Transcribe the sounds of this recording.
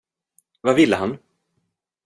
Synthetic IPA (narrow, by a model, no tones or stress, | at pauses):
vavɪlːəɦan